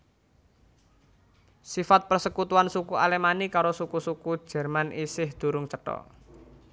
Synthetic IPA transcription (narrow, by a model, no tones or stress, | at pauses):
sifat̪̚pərsəkut̪uansukuʔalemanikaɾosukusuku̥ʒ̥ɛ̤rmanʔisɪhd̪̥ṳɾʊŋt͡ʃəʈɔ̰